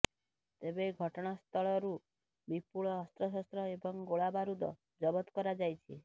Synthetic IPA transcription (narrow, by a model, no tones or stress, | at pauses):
t̪ebeɡʱɔʈɔɽ̃ast̪ʰɔɭɔɾu | bipuɭɔːst̪ɾɔs̬ɔst̪ɾɔebɔŋɡoɭabaɾud̪ɔ̰ | d͡ʒɔbɔt̪ɔkɔɾad͡ʒajt͡ʃʰḭ